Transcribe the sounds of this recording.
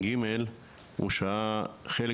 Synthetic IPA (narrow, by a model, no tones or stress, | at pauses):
ɡimel | ṵʃaaχel